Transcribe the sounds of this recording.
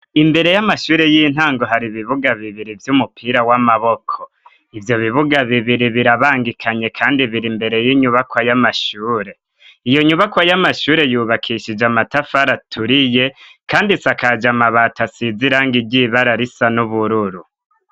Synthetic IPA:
imbe̞ɾe̞jamaʃuːɾe̞jiːn̥haːŋɡo̞ɦaɾiβiβuɡaβiβiɾivjumupʰiːɾawamaβo̞kʰo | ivjo̞βiβuɡaβiβiɾiβiɾaβaːŋɡikʰaɲe̞kʰaːndiβiɾimbe̞ɾe̞jiɲuβakwajamaʃuːɾe̞ | ijo̞ɲuβakwajamaʃuːɾe̞juːβakʰiʃid͡ʒamatafaɾatʰuɾije̞kaːndisakad͡ʒamaβatasiziɾaːŋɡiɟiβaɾaɾisanuβuɾuɾu

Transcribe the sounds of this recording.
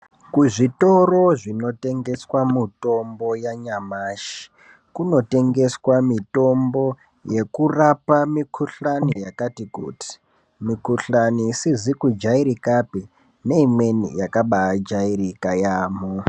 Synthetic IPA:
kuʐito̞roʐino̞te̞ŋɡe̞swamito̞mbo̞jaɲamaʃi̥ | kuno̞te̞ŋɡe̞swamito̞mbo̞ | je̞kurapamikʰuɬanijakatikṵːti̥ | mikuɬaniːsizikud͡ʒaiɾikapi | ne̞imwe̞nḭjakaɓaːd͡ʒairikajaːmo

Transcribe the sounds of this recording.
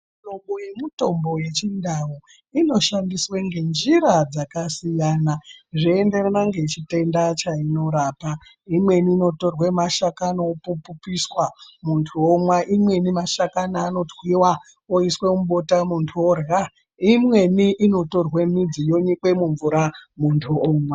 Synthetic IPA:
tomɓojemuto̞mbo̞je̞t͡ʃindawu | ino̞ʃandisweŋɡe̞nd͡ʒiɾad͡zakasijaːnaʐiende̞renaŋɡe̞it͡ʃite̞ndat͡ʃaino̞ɾaːpa | imwe̞niːno̞to̞rwemaʃakanoopupupiswamuntʰuomwaʔimwe̞nimaʃakanaːno̞twiwa | oiswemuɓo̞tamuntʰuorɣa | imwe̞niʔːno̞to̞rwemid͡zijo̞ɲikwe̞muɱvuɾamuntʰuoːmwa

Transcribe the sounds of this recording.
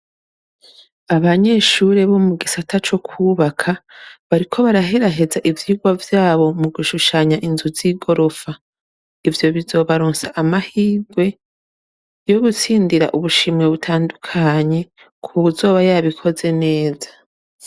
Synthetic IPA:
aβaɲe̞ʃuɾe̞βo̞muɡisatʰat͡ʃo̞kʰuβakʰaβaɾikʰo̞βaɾaɦe̞ɾaɦe̞zaʔivjiːɡwavjaːβo̞muɡuʃuʃaɲaʔinzuziɡo̞ɾo̞fa | ivjo̞βizo̞ːβaɾoːnsaʔamahiːɡwe̞ | jo̞βut͡siːndiɾa̰ʔuβuʃimŋe̞βutʰaːndukʰaɲe̞ | kʰuβuzo̞ːβajaβikʰo̞ze̞ne̞ːza

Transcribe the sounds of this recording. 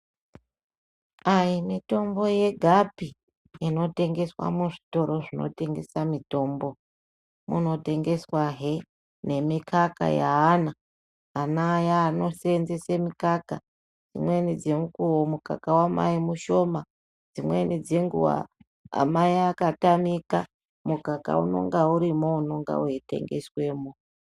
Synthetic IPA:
aimito̞mbo̞je̞ɡʱapi | ino̞te̞ŋɡe̞swa̰muʐi̥to̞ɾo̞ʐino̞̰te̞ŋɡe̞̰samito̞ːmbo̞ | mṵno̞te̞ŋɡe̞swaɦe | ne̞mikʰaka̰ja̰ːna | anajaːno̞senzesemikaka̰ | d͡zimwe̞nid͡ze̞mukuwomuka̰kawama̰imuʃo̞ma | d͡zimwe̞nid͡zeŋɡṵwa̰ | a̰maiakatamika | mukaka̰ṵno̞̰ŋɡauɾimouno̞ŋɡa̰uite̞̰ŋɡe̞̰swe̞mo

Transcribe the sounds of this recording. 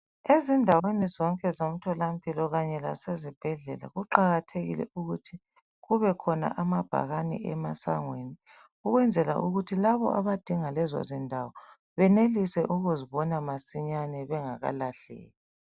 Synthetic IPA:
ezindʱawenizɔŋkʼɛzom̩tʰɔlam̩pʼʰilɔɣaɲɛla̰sezib̥ʱɛɮɛla̰ɣuǃaɣatʰeɣḭlɛ̰uɣutʰi̥ | ɣuβɛkʰɔna̰ʔamab̥ʱa̰ɣanḭɛ̰ma̰sa̰ŋweni | uɣwɛnd͡zʱɛla̰ʔuɣutʰilaβɔ̰ʔa̰βad̥ʱiŋalɛzɔ̰zindʱawɔ | βɛnelisɛʔuɣuziβɔnamasiɲanɛβɛŋaɣa̰laɬɛ̰ːli

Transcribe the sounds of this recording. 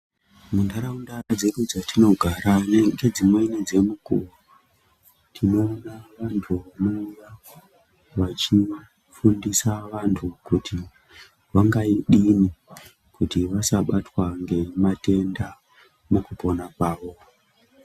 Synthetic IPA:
mundaɾaundad͡zeɾud͡zatʰino̞ɡʱaɾaneŋɡe̞d͡zimwe̞ined͡ze̞mukṵru | tʰino̞ːnaʋantʰuʋano̞uja | ʋat͡ʃi | fundisaʋantʰukutʰi | ʋaŋɡaiɗini | kutiʋasaɓatwaŋɡe̞mate̞nda | makupo̞nakwaːʋo̞

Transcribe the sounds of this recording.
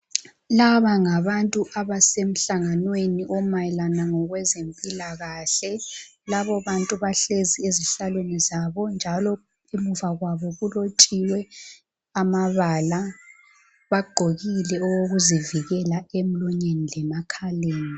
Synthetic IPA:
laβaŋaβantʼuʔaβasem̩ɬaŋanweniʔɔmajɛlanaŋɔɣwɛzempʼilaɣaːɬɛ | laβɔβantʼuβaɬezieziɬalwenizaβɔnd͡ʒʱalɔ | emuvaɣwaβɔɣulotʰʼiwɛ | amaβala | βaɡ͡ǃʱoɣilɛɔɣoɣuziviɣɛlaem̩luɲenilɛmakʰaleːni

